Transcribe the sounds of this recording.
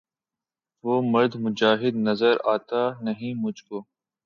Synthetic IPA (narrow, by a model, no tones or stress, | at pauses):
ʋoːmɐɾd̪mʊd͡ʒaːɦɪd̪nɐzəɾaːt̪anɐɦĩmʊd͡ʒʱkoː